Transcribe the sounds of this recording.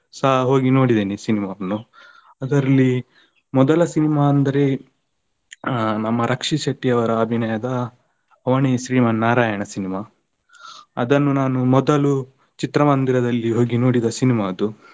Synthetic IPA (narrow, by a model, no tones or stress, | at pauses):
sɐɦɐɦo̞ːɡino̞ːɽid̪eːnisinimaɐnːu | ɐd̪ɐɾɐlːi | mɔd̪ɐlɐsinimaːɐnd̪ɐɾe | nɐmːɐɾʔɐkʂiʃɐʈːijɐʋɐɾɐːbʱinɐjɐd̪ɐː | ʋɐɳiʃɾiːmɐnːaːɾaːjɐɳɐsinimaː | ɐd̪ɐnːunaːnumɔd̪ɐlu | t͡ʃit̪ɾɐmɐnd̪iɾɐd̪ɐlːiɦo̞ːɡino̞ːɽid̪ɐsinimaːɐd̪u